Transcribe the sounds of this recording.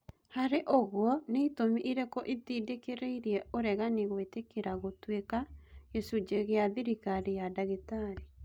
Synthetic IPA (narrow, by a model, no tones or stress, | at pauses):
haɾeʔoɣwɔneitomiʔiɾɛkɔʔiðidekeɾeiɾiɛoɾɛɣaneɣwetekeɾaɣotwekajɛsud͡ʒeɣeaðiɾikaɾejadaɣetaɾe